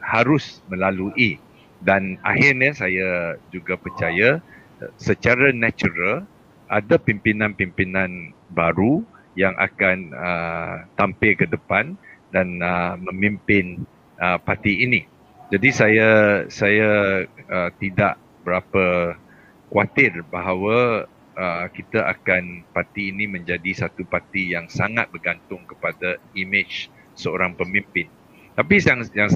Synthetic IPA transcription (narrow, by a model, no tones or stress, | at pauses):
haɾʊsmə̃laluʔi | dana̰hɪrnəsajad͡ʒuɡapərt͡ʃaja | sət͡ʃaɾanat͡ʃuɾal | ʔadapimpinãnpimpinãnbaɾu | jaŋʔa̰kanət̪ampɪlkədəpandanəmə̃mĩmpɪn | ʔəpat̪iːnĩ | d͡ʒadisajasajaət̪idaʔ | bəɾapə | kwat̪ɪrbaɦawə | əkit̪aʔa̰kanpat̪iːnĩmə̃ɲd͡ʒadisat̪upat̪ijaŋsaŋat̪̚bərɡant̪ʊŋkə̥padaimɪt͡ʃ | səoɾaŋpəmimpɪn | t̪apijaŋ